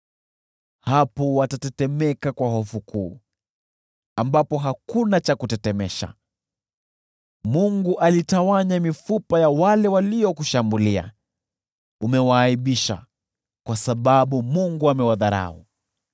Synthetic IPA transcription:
hapɔwatatɛtɛmɛkakwahɔfukʰuː | ambapɔɦakunat͡ʃakutɛtɛmɛʃa̰ | muŋɡuʔalitawaɲamifupajawalɛwaliɔkuʃambulia̰ | umɛwaːiɓiʃa̰ | kwasaɓaɓumuŋɡuamɛwaðaɾa̰u

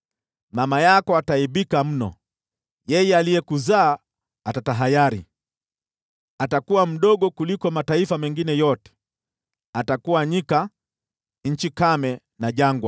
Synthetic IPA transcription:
mamajakɔataiɓikam̩nɔ̰ | jɛjɛalijɛkuzaː | atataɦajaɾḭ | atakuwam̩ɗɔɠɔkulikɔmataifamɛŋɡinɛjɔtɛ̥ | atakuwaɲika | ɲ̩t͡ʃikamɛ | naʄaŋɡwa

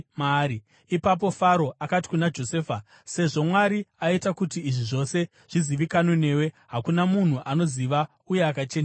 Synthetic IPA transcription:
maɾi | ipap̬o̞faɾo̞ʔakati̥kunad͡ʒo̞seːfa | se̞ʐo̞mwaɾiaitakutiːʐiʐo̞se̞ | ʐ̥iziʋikano̞ne̞ːwe̞ | ɦakunamun̤uʔano̞ziʋa | ujeakat͡ʃen

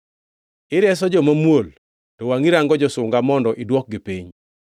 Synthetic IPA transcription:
ɪɾjɛs̬ɔd͡ʒɔmamwol | tɔwaŋiɾaŋɡɔd͡ʒɔsʊŋɡamɔndɔʔɪdwɔk̚ɡɪpiɲ

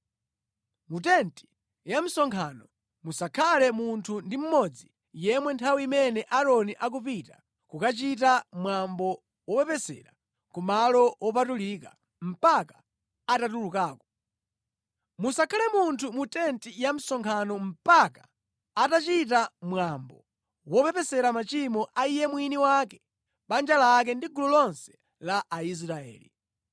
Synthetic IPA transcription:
mut̬ɛnti̥ | jam̩sɔŋkʰanɔ | musakʰalɛmuntʰundim̩mɔd͡zi | jɛmwɛntʰawiimɛnɛʔaɾɔniʔak̬upita | kukat͡ʃitamwambɔ | wɔpɛpɛsɛ̰ɾa | kumalɔwʔɔpatulika | m̩pakḁ | atatulukaːkɔ | musakʰalɛmuntʰumutɛntijam̩sɔŋkʰanɔm̩pakḁː | tat͡ʃit̬amwambɔ̰ | wɔpɛpɛsɛɾamat͡ʃimɔʔaijɛmwiniwakɛ | ɓand͡ʒalaːk̬ɛndiɡulɔlɔnsɛ̥ | laʔːis̬ɾaɛ̰ːlḭ

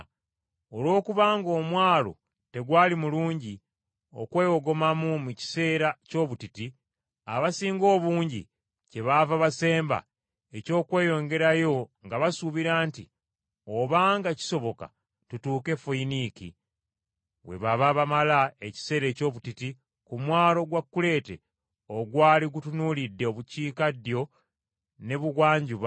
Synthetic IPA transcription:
o̞lwo̞ːkuβaːŋɡo̞ːmwaːlo̞̰ | te̞ɡwaːlimuluːɲɟi | o̞̰kwe̞ːjo̞ɡo̞mamumuci̥se̞ːɾaco̞ːβutiti | aβasiːŋɡo̞ːβuːɲɟḭ | ce̞βavaβase̞ːmba̰ | e̞co̞ːkwe̞ːjo̞ːɲɡe̞ɾajo̞ŋɡaβasuβiɾaːnti | oβaːŋɡaci̥so̞βo̞ka̰ | tutuːke̞foinikḭ | βwe̞̰βaβaβamalae̞ci̥se̞ɾe̞ːco̞ːβutiti | kumwaːlo̞ɡwakːule̞ːte̞̰ | o̞ɡwaːliɡutunuːlidːeo̞βuciːkadjo̞ | ne̞βuɣwaːɲɟuβ

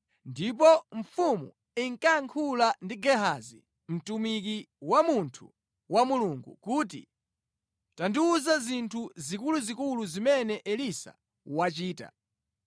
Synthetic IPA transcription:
ndip̬ɔɱfumṵ | iŋkaŋkʰulandiɡɛɦazḭ | m̩tumik̬iwamuntʰṵ | wamuluŋɡṵkuːt̬ḭ | tandiuzazintʰuzikuluzikuluzimɛnɛʔɛlisa̰ | wat͡ʃiːta̰

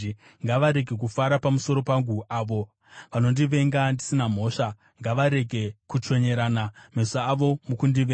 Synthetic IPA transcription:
ŋɡaʋaɾe̞ɡʱe̞k̬ufaɾapamuso̞ɾo̞paŋɡuʔaːʋo̞ | ʋano̞ndiʋe̞ŋɡandisinam̤o̞ːʂa | ŋɡaʋaɾe̞ɡʱe̞kut͡ʃo̞ɲe̞ɾaːnamesaːʋo̞mukundiʋe

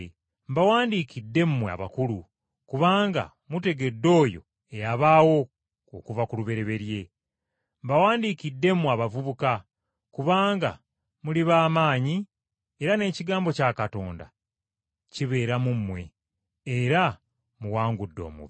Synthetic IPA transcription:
mbawaːndiːkidːe̞mmwea̰βakulu | kuβaːŋɡa̰ | mute̞ɡe̞dːo̞ːjo̞̰ | ejaβaːwo̞ | okuvakuluβe̞ɾe̞βe̞ɾje̞ | mbawaːndiːkidːe̞mːwaβavuβuka | kuβaːŋɡa̰ | muliβaːmaːɲi | e̞ɾane̞ːciɡaːmbo̞caːkato̞ːnda̰ | ciβe̞ːɾamumːwe̞ | eɾa | muwaːŋɡudːo̞̰ːmṵβ

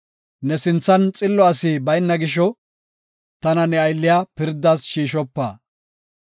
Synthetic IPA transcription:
nɛsɪnt͡sːɐnt͡sʼɪlːɔɐsiːbɐjnːɐɡɪʃ̬ɔ | t̪ɐnɐnɛɐjlːɪjapɪɾd̪ːaːsʃiːʃɔpːa̰ː

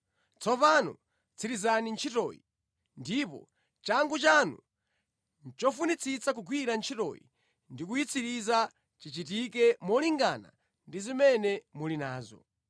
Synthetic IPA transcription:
t͡sʰɔpanɔ̰ | t͡sʰiɾizanint͡ʃʰitɔ̰jḭ | ndipɔ̰ | t͡ʃaŋɡut͡ʃanṵ | nt͡ʃɔfunit͡sʰit͡sak̬uɡwiɾant͡ʃʰitɔ̰jḭ | ndik̬ujit͡sʰiɾiza | t͡ʃit͡ʃit̬ikɛmɔliŋɡana̰ | ndizimɛnɛmulinaːzɔ̰

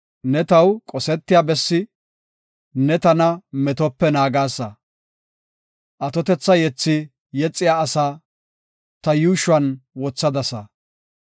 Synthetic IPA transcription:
nɛt̪ɐwkʼɔsɛt̪ːɪjaːbɛsːɪ | nɛt̪ɐnɐmɛt̪ɔpːɛnaːɡaːsːɐ | ʔɐt̪ɔt̪ɛt͡sːɐjɛt͡sːɪ | jɛt͡sʼːɪjaːɐsaː | t̪ɐjuːʃʊɐnwɔt͡sːɐd̪ɐsɐ

